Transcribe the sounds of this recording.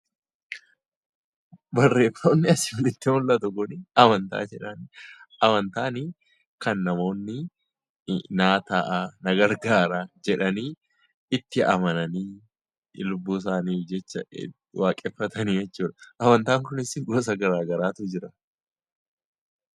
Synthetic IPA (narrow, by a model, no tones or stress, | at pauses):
bɐrːe̞ːfːoːnːɪɐsɪ̥fɪlɪt̪ːimʊlʔɐt̪ʊkʊnɪɐmɐnt̪a̰ːd͡ʒɛᶑɐnʔɐmɐnt̪aːniː | kɐnːɐmo̞ːnːɪ | naːt̪aːʔaːnɐɡɐɾɡaːɾad͡ʒɛᶑɐniː | ɪt̪ːɪɐ̰mɐnɐniː | lʊbːuːs̬aːniːfd͡ʒɛt͡ʃːɐ | waːkʼɛfːɐt̪ʰɐniːjɛt͡ʃːuːᶑɐ̥ʔɐmɐnt̪aːŋkʊnɪsɪɡoːs̬ɐɡɐɾaːɡɐɾaːt̪ʊd͡ʒɪɾɐ